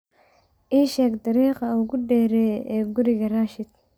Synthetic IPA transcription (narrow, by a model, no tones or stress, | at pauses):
ʔiːʃɛːɡd̪ɑɾiːqɑʊɣʊɖɛːɾɛːʔɛːɡʊɾɪɣɐɾaːʃɪd̪